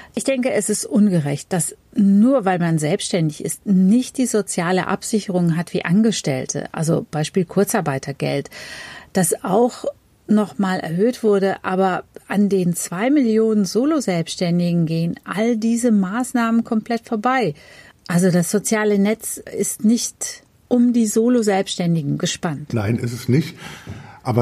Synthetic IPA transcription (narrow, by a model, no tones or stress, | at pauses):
ʔɪçd̥ɛŋkəɛsɪstʔʊnɡəʁɛ̰çt̚d̥asnuːɐvaɪlmanzɛlpsʃtɛndɪçɪ̰stnɪçt̚d̥iːzot͡sjaːlə̰ʔa̰pz̥ɪçəʁ̞ʊŋɦatv̥ḭːʔanɡəʃtɛ̰ltʰə̰ʔa̰lzo̰b̥aɪʃpiːlkʰʊɐt͡saɐbaɪtʰɐɡɛ̰ltd̥asaʊx | nɔχmaːlʔɛ̰ɐɦøːtv̥ʊɐdəʔaːbɐʔandeːnt͡sv̥aɪmɪljoːnənzoːlozɛlpsʃtɛndɪɡŋ̩ɡeːənʔa̰ldiːzəmaːsnaːmənkʰɔmpl̥ɛtfoːɐbaɪ | ʔalzodasz̥ot͡sjaːlənɛt͡sɪstnɪçt | ʔʊmdiːzoːlozɛlpsʃtɛndɪɡŋ̩ɡəʃpantnaɪnɪ̰sɛsnɪçtʔaːbɐ